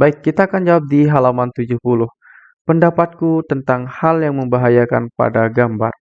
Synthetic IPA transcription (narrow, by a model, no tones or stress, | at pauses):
baɪkːit̪aːkand͡ʒawap̚diɦalamant̪ud͡ʒuhpulʊh | pəndapat̪̚kut̪ənt̪aŋhaljaŋməmbaɦajaka̰npa̰daɡamba̰r